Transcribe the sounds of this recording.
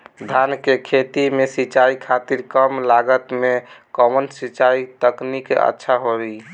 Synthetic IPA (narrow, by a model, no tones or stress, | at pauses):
d̪ʱankekʰet̪imesit͡ʃaikʰat̪iɾkəmlaɡət̪mekɔmənsit͡ʃait̪əknikḛə̰tːʃʰaɦoi